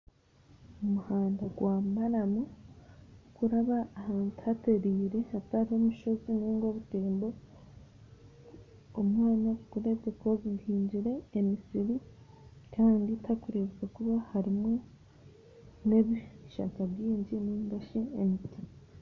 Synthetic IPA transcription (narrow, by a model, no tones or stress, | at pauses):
omuhaːndaɡwaːmaɾamu | kuɾaβaːhaːnthate̞ɾiːɾe̞hataɾiho̞muʃo̞ziniŋɡo̞βuteːmbo̞ | omŋaːɲaɡuɾe̞βɡekoɡihiːɲɟiɾe̞ːmisiɾi | kaːnditʰakuɾeβuɡekuβahaɾimo̞ | ne̞βiʃa̰kaβjiːɲɟinimdaʃiemitima